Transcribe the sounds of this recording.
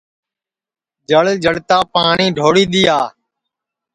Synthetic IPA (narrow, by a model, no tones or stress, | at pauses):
d͡ʒəɭd͡ʒəɽt̪aːpaːɳiːɖʱoːɽiːɗ̪ɪjaː